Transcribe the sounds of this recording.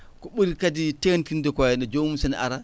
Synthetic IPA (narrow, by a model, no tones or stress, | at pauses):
kɔɓuɾikaditentindɛkajɛnɛd͡ʒomusɛnɛ̰ʔa̰ɾa